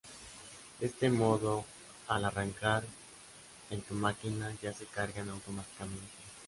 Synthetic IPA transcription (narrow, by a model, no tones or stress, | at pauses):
d̪e̞st̪e̞mo̞ðo̞ | alaraŋkaɾ | ent̪umakinaʝase̞kaɾɣanawt̪o̞mat̪i̥kamẽ̞nt̪e